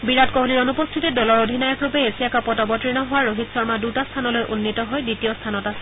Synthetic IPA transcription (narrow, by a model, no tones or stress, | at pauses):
biɹatkoɦuliɹonupɔst̪ʰitɛdɔlɔɹodʱinajɔkɹupɛesiakapɔtɔbɔtɹinɔɦʊwaɹoɦitsɔɹmadutast̪ʰanɔlojʔunːitɔɦɔjditijɔstʰanɔtasɛ̥